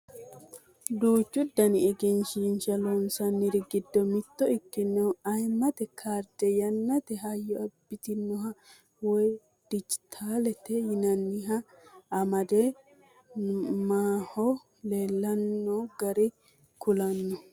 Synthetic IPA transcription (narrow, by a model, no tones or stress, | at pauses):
d̪uːt͡ʃːʊd̪ɐnɪɛɡɪnʃinʃɐlɔnsɐnːɪɾɪɡɪd̪ːɔmɪt̪ːɔɪkːɪnːɛɐjmːɐt̪ɛkʰaːɾd̪ɛjɐnːɐt̪ɛɦɐjɔɐbːɪt̪ɪnːɔɦɐ | wɔj | d̪̥ɪd͡ʒɪt̪ʰaːlɛt̪ɛjɪnɐnːɪɦɐ | ɐmɐd̪ɛ | maːhɔ | leːlːɐnːɔɡɐɾɪ | kʊlɐnːɔ